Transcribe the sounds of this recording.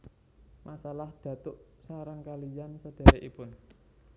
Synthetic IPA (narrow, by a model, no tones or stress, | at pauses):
mʔasalahd̪̥ä̤t̪ʊʔsaɾaŋkalijansəd̥a̤ɾeʔipʊn